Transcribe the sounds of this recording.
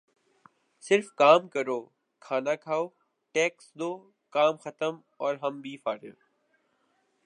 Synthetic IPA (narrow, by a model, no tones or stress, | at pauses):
sɪɾfkaːmkəɾoː | kʰaːnakʰaːoː | ʈeːksd̪oː | kaːmxət̪əm | ɔːɾɦəmbʱiːfaːɾjo̰ː